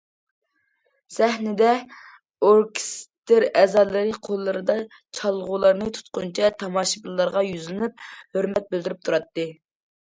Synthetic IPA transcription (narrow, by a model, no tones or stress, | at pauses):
sæhnɪd̪ɛ | oɾkʲst̪ɪɾɛzɑlˠɨɾɨqʰolˠːɨɾɨd̪ɑ | t͡ʃʰɑlˠʁʊlˠɑɾnɨt̪ʰu̥t̪̚qʊnt͡ʃʰɛt̪ʰɑmɑːʃɨbɨlˠlːˠɑɾʁɑjyzlɪnyp̚høɾmɛt̪̚bɪld̪ɪɾyp̚t̪ʰuɾɑt̪ːɨ